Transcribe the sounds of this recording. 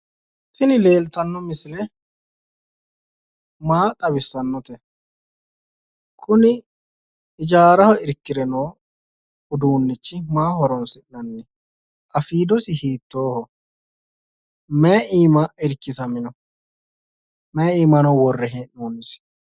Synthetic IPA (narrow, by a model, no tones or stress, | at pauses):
t̪ɪnɪle̞ːlt̪ɐnːɔmɪsɪlɛ | maːt̪ʼɐbɪsːɐnːɔt̪ɛ | kʰʊnɪː | d͡ʒaːɾɐhɔɪɾkːɪɾɛnoː | ʊd̪uːnːɪt͡ʃːɪmaːhɔɾɔnsɪʔnɐnːɛ | ʔɐfiːd̪ɔsɪhiːt̪ːoːhɔ | mɛʔiːmɐɪɾkːɪsɐmɪnɔ | mɛiːmɐnɔwɔrːɛɦɛnuːnːɪs